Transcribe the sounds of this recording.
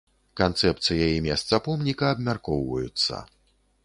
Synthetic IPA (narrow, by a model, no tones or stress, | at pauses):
kant̪sɛp̚t̪sɨjajimʲɛst̪sɐpɔmnʲikɐːbmʲarkɔwvɐ̰jut̪sːɐ̰